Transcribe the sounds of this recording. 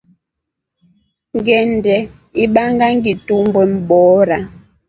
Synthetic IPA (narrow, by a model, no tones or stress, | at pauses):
ŋɡɛndɛ | iɓaŋɡaŋɡitumbwɛm̩ɓɔːɾa